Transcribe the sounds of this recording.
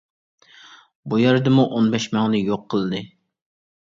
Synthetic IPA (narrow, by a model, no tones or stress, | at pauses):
bujæɾd̪ɨmuʔonbɛʃmɛŋnɪjoqʰːəlˠɨd̪ɨ